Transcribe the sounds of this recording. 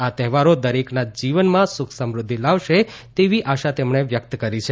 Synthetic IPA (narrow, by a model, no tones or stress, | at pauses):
at̪ɛɦʋaɾod̪əɾeknad͡ʒiʋənmãsʊkʰsəmɾʊd̪ʱːilaʋʃet̪eʋiʔaʃat̪emɳeʋjək̚t̪kəɾit͡ʃʰe